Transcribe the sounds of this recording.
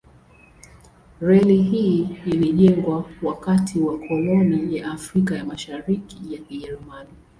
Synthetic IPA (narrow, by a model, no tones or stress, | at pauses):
ɾɛliɦiːliʄɛŋɡwawakatʰiwakʰɔlɔnijaʔːfɾikajamaʃaɾikijakiʄɛɾumani